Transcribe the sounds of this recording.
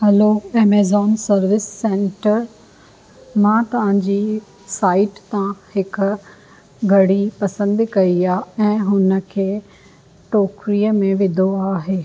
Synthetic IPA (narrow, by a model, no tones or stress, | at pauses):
hɛloːɛːmeːzɔːnsɐɾʋɪsːẽːɳʈəɾ | mãːt̪ɐʋ̤ãːd͡ʑiː | saːɪʈt̪ãhɪk | ɡʱɐɽipɐsə̃nd̪kɐiaːɛ̃ːɦʊnə̆kʰeː | ʈoːkɾijəmẽʋɪd̪ʱoaːɦeː